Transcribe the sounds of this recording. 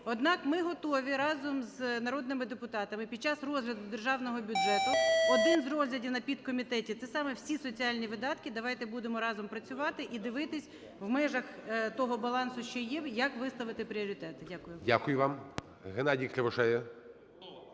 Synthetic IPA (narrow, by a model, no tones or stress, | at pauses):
ɔd̪nɑkmɪɦɔt̪ɔʋʲiɾɑzɔmznɐɾɔd̪nɪmɪd̪epʊt̪ɑt̪ɐmɪpʲid̪̚t͡ʃɑsrɔzɦlʲɐd̪ʊd̪erʒɑwnɔɦɔbʲʊdʒɛt̪ʊɔd̪ɪnzrɔzlʲɐdʲiwnɐpʲid̪kɔmʲit̪ɛtʲit̪sɛsɑmɛwsʲisɔt͡sʲiɑlʲnʲiʋɪd̪ɑt̪kɪd̪ɐʋɑjt̪ɛbud̪emɔɾɑzɔmpɾɐt͡sʲʊʋɑt̪ɪʔid̪ɪʋɪt̪ɪsʲ | ʋmɛʒɐxt̪ɔɦɔbɐlˠɑnsʊʃt͡ʃɔjɛjɐkʋɪst̪ɐʋɪt̪ɪpɾʲɪɔɾʲit̪ɛt̪ɪdʲakʊjʊdʲakʊjʊʋɑm | ɦenɑdʲiklʲɐʋɔʃɛjɛ